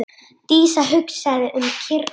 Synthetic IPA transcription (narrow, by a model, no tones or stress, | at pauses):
t̪iːsaɦʏksɛðʏʔʏmcʰɪɾ